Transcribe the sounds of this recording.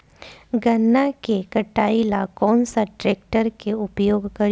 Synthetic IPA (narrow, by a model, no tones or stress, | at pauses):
ɡɐnːakekɐʈaːilakɔːnsaʈɾeːk̚ʈəɾkeʊpjoːɡkɐɾ